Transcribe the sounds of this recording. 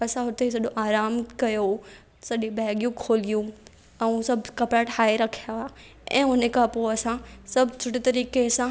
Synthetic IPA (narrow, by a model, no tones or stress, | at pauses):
ɐsãɦʊt̪es̬ɐɗõʔaːɾaːmkɐjo | sɐɗĩbɛːɡjũkʰoːlijũ | ɛ̃ːsɐbʱkɐpɾaʈʰaːeɾɐkʰijaa | ɛ̰̃ːʊnekʰãpoɐsãsɐbʱt͡ɕʰʊʈet̪ɐɾiːkesã